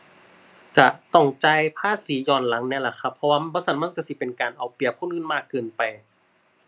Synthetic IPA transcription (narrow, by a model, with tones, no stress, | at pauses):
ka˧t̪ɔ˧˩ŋt͡ɕa˧˩jpʰaː˧˥˨siː˨˦jɔː˧˩nla˨˦ŋnɛː˧˥˨la˧˩kʰa˧˥pʰːɔ˧waː˧bɔː˧˥sa˧˥nma˧˥˨nka˧˩si˧˦pe˨nkaː˨nʔa˨˩wpli˨˩əpʰu˧˥˨nʔɯː˧˥˨nmaː˧˥˩kːɤː˧˩npa˨j